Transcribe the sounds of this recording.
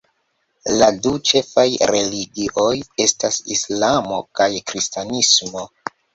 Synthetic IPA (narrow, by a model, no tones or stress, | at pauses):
ladut͡ʃe̞fajɾe̞liɡiʔo̞je̞stasislamo̞̰kajkɾistanismo